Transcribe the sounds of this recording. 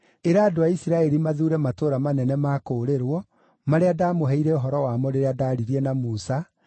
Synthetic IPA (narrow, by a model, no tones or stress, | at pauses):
eɾaːdoaisiɾaɛɾimaðuːɾɛmatoːɾamanɛnɛmaːkoːɾeɾwɔ | maɾeadaːmoɦɛiɾɛoɦɔɾɔwaːmɔɾeɾeadaːɾiɾiɛnamusa